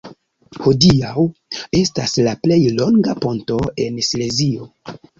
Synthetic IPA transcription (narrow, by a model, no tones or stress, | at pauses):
ho̞diawe̞staslaple̞jlo̞ŋɡapo̞nto̞e̞nsle̞zio̞